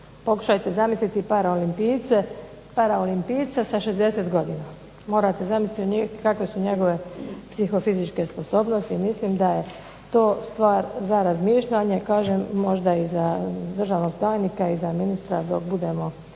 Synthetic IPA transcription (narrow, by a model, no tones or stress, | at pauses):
po̞ku̥ʃajt̪e̞zamislit̪ipaɾaolimpiːt̪se | paɾaolimpiːt̪sasaʃe̞zd̪e̞se̞t̪ɡo̞d̪iːna | mo̞ːɾat̪e̞zamislit̪oɲiːxkakʋe̞suɲe̞ɡo̞ʋe̞psixo̞fizit͡ʃke̞spo̞so̞ːbno̞st̪imislimd̪aje̞ | t̪o̞ːst̪ʋaːɾzaɾazmiːʃʎaɲe̞kaːʒemːo̞ʒd̪aizad̪ɾr̩ʒaʋno̞ɡ̚p̪ɾaːjnikaizaminist̪ɾad̪o̞kbud̪e̞mo̞